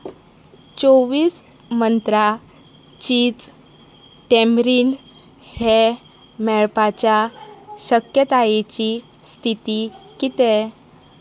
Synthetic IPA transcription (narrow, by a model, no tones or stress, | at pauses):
t͡soʋiːs | mənt̪ɾa | t͡ɕiːt͡s | ʈemɾiːn | he | mɛɭpat͡ɕjaɕəkjət̪ajet͡ɕi | st̪ʰit̪ikit̪e